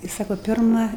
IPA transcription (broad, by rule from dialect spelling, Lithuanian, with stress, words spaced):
ɪ ˈsɑːkoː ˈpʲɪrmɐ